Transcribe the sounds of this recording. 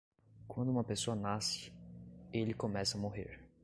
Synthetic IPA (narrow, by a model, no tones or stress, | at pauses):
kwɐ̃nd̪ʊũmɐpesoɐnasɪ̥ | elɪkõmɛsɐamoɦḛɾ